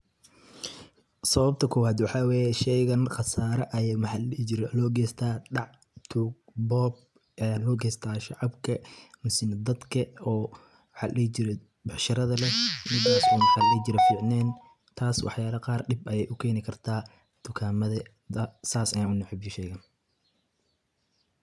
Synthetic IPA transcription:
sɐβɐb̚t̪ʰɐkʰɔwaːd̪wɑħɑːwɛːjɛʃɛjɣɐnχɑsaːɾɐʔɐjɛmħɑɪɾlɔːɡɛːst̪ʰaːɖɑʕ | t̪ʰʊbɔːb | ɛlɔːɡɛːst̪ʰaːʃɑʕɑbkʰɐnʊsɪnd̪ɐd̪kʰɐɔː | ħɑ̰ːllɛt͡ʃɪɾɛ | bɑħʃɐɾɐðɐlɛmɪd̪aːsuːnħallɛd͡ʒɪɾɛfiːʕnɛːn | t̪ʰaːswɑ̰ħjaːɾɐqɑːrɖɪbɐjɛjʔʊkʰɛːnɪkʰɐrt̪ʰaː | t̪ʰʊkʰaːmɐðɐ | d̪ɐsaːsɐjaːnʔʊnɛħɪbʃɛjɣɐn

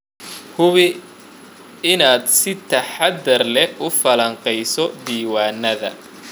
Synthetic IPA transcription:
hʊβɪ | ɪnaːd̪sɪt̪ʰɐħad̪ɐrlɛʊfɐlɐɴqɛjsɔd̪iːwaːnːɐðɐ̰

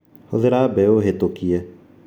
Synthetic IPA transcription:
hoðeɾaːbɛoːɦet̪okijɛ

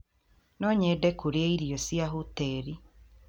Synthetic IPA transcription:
nɔɲɛdɛkoɾeeiɾiɔsjaɦutɛɾi

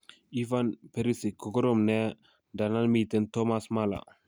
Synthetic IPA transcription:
ivanpeɾisikoɡɔɾɔmnɛ | danalmitɛntɔmasmala̰

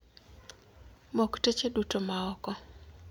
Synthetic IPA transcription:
moktet͡ʃedutomaɔkɔ

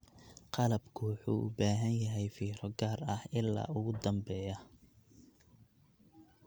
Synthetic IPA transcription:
qɑlɐbkʰʊwɑħṵːʔʊbaːɦɐnjɐɦɛjfiːɾɔɡaːrɐhɪlːa̰ːʔʊɣʊd̪ɐmbɛːjɐ

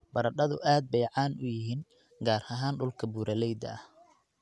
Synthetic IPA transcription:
bɐɾɐɗɐðʊʔaːd̪̚bɛjʕɑːnʔʊjɪɦiːn | ɡaːɾɐɦaːnɖʊlkʰɐbuːɾɐlɛjd̪ɐ̰ɐh

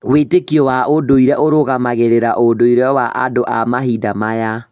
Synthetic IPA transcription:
wetekiɔwaodoiɾɛʔoɾoɣamaɣeɾeɾaʔodoiɾɛwaʔa̰doʔamaɦidamaja

